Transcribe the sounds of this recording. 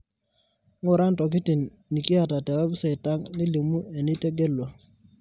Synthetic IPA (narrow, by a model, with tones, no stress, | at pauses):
ŋu˨ɾa˦ntɔ˨k̬i˦ti˨nː | i˨ki˦a˨ta˨tɛ˨wɛ˦bse˨i˨ta˦ŋni˦li˨mu˦e˨ni˦te˦ɡe˦lːo˨